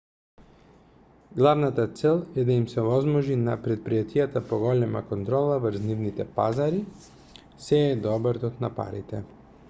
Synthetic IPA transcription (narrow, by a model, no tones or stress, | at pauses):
ɡlˠavnat̪at̪sɛlˠɛd̪aimsɛvɔzmɔʒinapɾɛt̪̚pɾijat̪ijat̪apɔɡɔlɛma̰kɔnt̪ɾɔlˠavəɾznivnit̪ɛpa̰zaɾi | sɛːd̪ɔbaɾt̪ɔt̪napa̰ɾit̪ɛ